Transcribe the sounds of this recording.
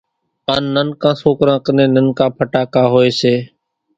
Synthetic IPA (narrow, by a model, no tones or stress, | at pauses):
anːənkãːsoːkɾãːkənẽːnənkãːpʰəʈaːkaːɦoːeːseː